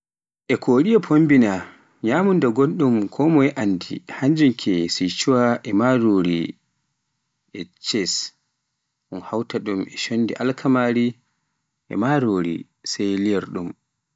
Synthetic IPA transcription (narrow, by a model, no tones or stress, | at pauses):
ʔɛkʰoːɗiapʰombina | ɲaːmundaɡonɗumkʰɔmɔjɛʔandḭhaɲd͡ʒuŋkʰɛsit͡ʃuwaʔɛmaɾoːɾi | ʔɛt͡ʃɛs | ʔunhawtaɗumɛʃonːdiʔalkʰamaɾi | ʔɛ̰maɾoːɾḭ | sejlijɛɾɗum